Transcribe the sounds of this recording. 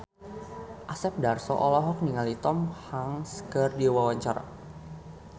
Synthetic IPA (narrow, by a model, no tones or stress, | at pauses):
ʔasɛp̚darsɔ̰ʔɔlɔɦɔk̚niŋalit̪ɔmhaŋskərdiwawaɲt͡ʃaɾa̰